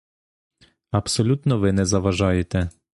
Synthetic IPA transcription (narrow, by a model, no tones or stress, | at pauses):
ɐpsɔlʲut̪nɔʋɪnɛzɐʋɐʒɑjet̪ɛ